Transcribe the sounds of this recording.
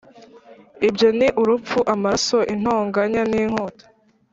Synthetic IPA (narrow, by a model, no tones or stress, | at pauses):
ibjo̞niʔuɾup͡fuʔamasoʔin̥hoːŋɡaɲaniːŋ̥o̞ːto̥